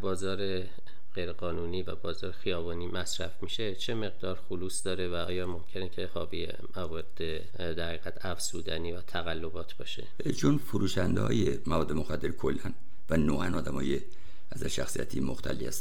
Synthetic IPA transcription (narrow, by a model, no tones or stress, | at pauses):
bɒːzɒːɾe̞ | ɣ̥e̞jɾeɣɒːnuːniːvæbɒːzɒːɾexijɒːbɒːniːmæsɾæfmiʃe̞t͡ʃʰe̞me̞ɣd̪ɒːɾxoluːsd̪ɒːɾe̞væɒːjɒːmo̞mcʰe̞necʰe̞hɒ̰ːviːe | mævɒːd̪̥e | d̪æɾhæɣiːɣæt̪ʰæfsuːd̪æniːvæt̪ʰæɣælːo̞bɒːt̪ʰb̥ɒ̰ːʃe̞̰ | t͡ʃʰonfoɾuːʃænd̪ehɒ̰ːjemævɒːd̪ːemoxæd̪ːeɾkʰolːæn | vænoːʔænɒːd̪æmɒ̰ːje | æzæɾʃæxsijæ̰t̪ʰimo̰xt̪ʰæ̰lːḭhæ̰st̪